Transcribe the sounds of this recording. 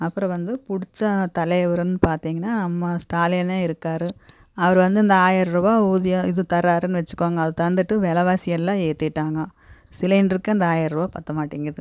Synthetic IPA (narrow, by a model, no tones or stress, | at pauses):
ɐpːɯɾɔ̃ʋɐnd̪ɯpʊɽɪt͡ʃːɐt̪ɐlɐjʋɐɾɯnːɯpaːɾt̪iːŋɡɐnːaːnɐmːɐsʈaːlɐjɐnaːɪɾɯkːaːɾɯ | ɐʋɐɾʋɐnd̪ɯɪnd̪ɐaːjɐɾɾɯʋaːuːðɪjɐɪðɯt̪ɐɾːaːɾɯnːɯʋɛt͡ʃːɯ̥kːoːŋɡɐːðɯt̪ɐnd̪ɯʈːɯʋɛlɐʋaːsɪjɐlːãːeːt̪ːɪʈːaːŋɡɐ | sɪlɐjnɖɾɯkːɐɐnd̪ɐaːjɐɾɾɯʋaːpɐt̪ːɐmaːʈːiːŋɡɾɐðɯ